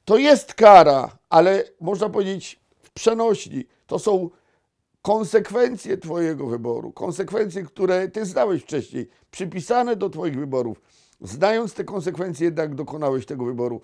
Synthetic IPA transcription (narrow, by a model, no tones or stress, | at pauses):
t̪ɔjɛst̪kaɾa | alɛmɔʐnapɔvʲjed͡ʑet͡ɕ | fpʂɛnɔɕʎḭ | t̪ɔsɔ̃w̃ | kɔnsɛkfɛnt̪sʲjɛt̪fɔjɛɡɔvɘbɔ̰ɾṵkɔ̰nsɛkfɛnt̪sʲjɛkt̪uɾɛt̪ɘznawɛɕft͡ʂɛɕɲḛj | pʂɘpʲisanɛd̪ɔt̪fɔjiɣvɘbɔɾṵf | znajɔnt̪st̪ɛkɔnsɛkfɛnt̪sʲjɛjɛd̪naɡd̪ɔkɔnawɛɕt̪ɛɡɔvɘbɔɾu